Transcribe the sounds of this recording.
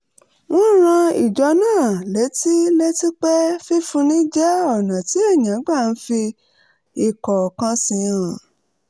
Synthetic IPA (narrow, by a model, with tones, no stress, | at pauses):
w̃ɔ̃˦ɾ̃ã˧i˨d͡ʒɔ˨˧˦nãː˦˨le˨˦ti˦le˦ti˦k͡pɛ˦fi˦fũ˧nĩ˦d͡ʒɛ˦ɔ˦˨nã˨ti˨˦e˦˨ɲã˨˦ɡ͡ba˦˨n̩˦fi˧ | i˨kɔ˨kã˧sĩ˧ã˨